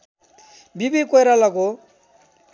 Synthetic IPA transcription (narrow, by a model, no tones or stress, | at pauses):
bibikojɾalako